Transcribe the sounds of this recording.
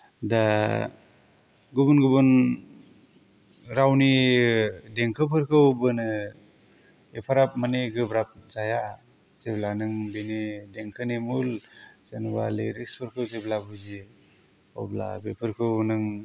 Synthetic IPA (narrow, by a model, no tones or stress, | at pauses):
da | ɡubunɡubun | ɾawni | deŋkʰɯpʰɯɾkʰɯwbɯnɯ | epʰaɾap̚maneɡɯbɾap̚zaja | z̥eblanɯŋbenideŋkʰɯnemulzenba̰leɾikspʰɯɾkʰɯwzeblabuzi | ɔ̰bla̰bepʰɯɾkʰɯwnɯŋ